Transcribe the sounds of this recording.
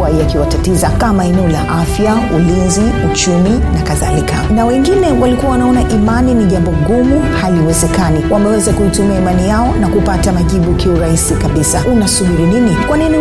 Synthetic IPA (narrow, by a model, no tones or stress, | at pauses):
aiakiwatatizakamaɛnɛɔla̰ʔafjaulinzi | ut͡ʃuminakaða̰likʰanawɛŋɡinɛwalikuwawanaɔnaʔimaniniʄambɔɡumuhaliwɛzɛkaniwʔamɛwɛzakuitumiaimanijaɔnakupatamaʄiɓukʰɛuɾaisikaɓisaunasuhuɾininikwanin